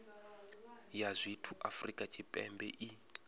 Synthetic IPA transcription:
jazʷitʰuʔafrikʼat͡ʃʰʼipʼɛ̰mbɛ̰ʔi

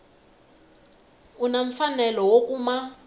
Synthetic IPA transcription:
unaɱ̩fanɛlɔwok̬ʼuma

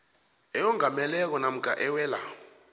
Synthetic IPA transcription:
ɛjɔŋamɛlɛk̬ɔnam̩ɡʱʼa̰ʔɛwɛːla̰

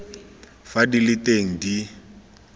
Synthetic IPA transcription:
fadilɪteŋ̩di

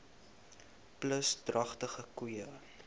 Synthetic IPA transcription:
pləsdrɐχtəχəkwuə

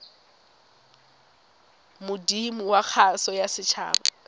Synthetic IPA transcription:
mʊdimuwak͡xʰasɔjasɪt͡ʃʰa̰ːba̰

